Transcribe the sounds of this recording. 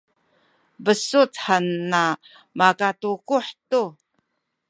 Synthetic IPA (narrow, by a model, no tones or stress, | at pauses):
bəsutħanːa | makatukuħtu